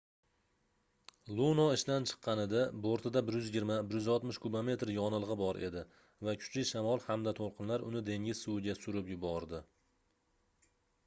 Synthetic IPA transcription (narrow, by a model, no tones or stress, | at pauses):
lˠunɒɪʃd̪ant͡ʃʰɨ̥qʰːɑnɪd̪aboɾt̪ʰɪd̪abɪɾjʏzjɪɡʲɪɾmabɪɾjʏzɒlˠt̪mɪʃkʰubame̞t̪ɾjɒnɨlˠʁɨbɒɾʔe̞̰d̪ɪ | vakʲʰʊ̥t͡ʃlɪʃamɒlˠhamd̪at̪ʰolˠqʰɨnlaɾʊnɪd̪e̞ŋʲɪz̥sʊwɪɡʲasʊɾɪpjʊbɒɾd̪ɪ